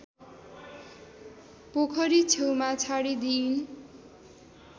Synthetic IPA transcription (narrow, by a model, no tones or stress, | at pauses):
pokʰʌɾit͡sʰewmat͡sʰaɽid̪in